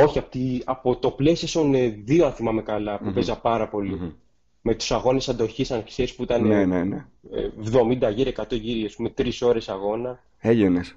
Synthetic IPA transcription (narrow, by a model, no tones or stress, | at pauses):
o̞çiɐpot̪iɐpo̞t̪o̞ple̞siosoneðioɐnθimɐme̞kɐlɐpupeszɐpɐɾɐpo̞li | me̞t̪u̥sɐɣo̞ne̞sɐnd̪o̞çisɐnkse̞ɾispuit̪ɐnenenḛ | vðo̞mind̪ɐʝiɾekɐt̪o̞ʝiɾiaspume̞t̪ɾiso̞ɾe̞sɐɣo̞nɐ | eʎones